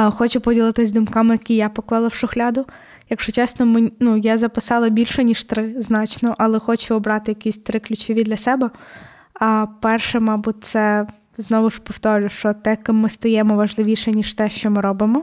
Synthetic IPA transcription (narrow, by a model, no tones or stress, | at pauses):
xɔt͡ʃʊpɔdʲilˠɪt̪ɪzʲd̪ʊmkɑmɪjɐkʲijapɔklˠɑlˠɐwʃʊxlʲɑd̪ʊ | jɐkʃt͡ʃɔt͡ʃɛsnɔmeinujazɐpɪsɑlˠɐbʲilʲʃɛnʲiʃt̪ɾɪznɑt͡ʃnɔʔɐlˠɛxɔt͡ʃʊɔbɾɑt̪ɪjɐkʲisʲt̪ɾɪklʲʊt͡ʃɔʋʲid̪lʲɐsɛbɛ | ɐpɛrʃɛmɑbut̪̚ʲt̪sɛ | znɔʋʊʃpɔwt̪ɔɾʲlʲʊʃt͡ʃɔt̪ɛkɪːɪst̪ɐjɛmɔʋɐʒlˠɪʋʲiʃɛnʲiʃt̪ɛʃt͡ʃɔmɪɾɔbɪmɔ